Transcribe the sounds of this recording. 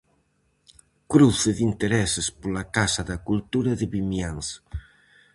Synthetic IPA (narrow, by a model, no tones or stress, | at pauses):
kɾuθɪðint̪eɾɛsɪspolakasaðɐkult̪uɾaðɪβimjans